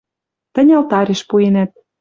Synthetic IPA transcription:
t̪ə̆nʲɑlt̪ɑɾʲeʃpuenæt̪̚

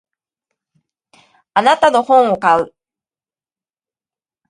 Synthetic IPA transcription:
anat̪ano̞hõ̞ɰ̃o̞kaɯ̟

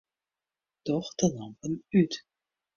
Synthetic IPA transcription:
tɔχd̥əlɑmpənyt

